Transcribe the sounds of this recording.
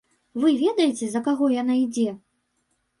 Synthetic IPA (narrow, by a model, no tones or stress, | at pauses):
vɨvʲɛd̪ɐjɛt͡sʲɛzɐkaɣɔjanaid͡zʲɛ